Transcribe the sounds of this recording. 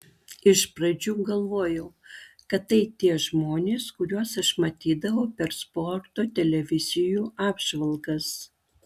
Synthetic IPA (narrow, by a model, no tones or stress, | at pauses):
ɪʃpɾɐd͡ʒʲuːɡɐlˠʋoːjɛʊkɐt̪tːɐɪt̪ʲiɛʒmoːnʲeːskʊɾʲuɔsɐʃmɐt̪ʲiːd̪ɐʋɐʊpʲɛɾspɔɾt̪oːt̪ʲɛlʲɛʋʲɪzʲɪjuːʔɑːbʒʋɐlˠɡɐs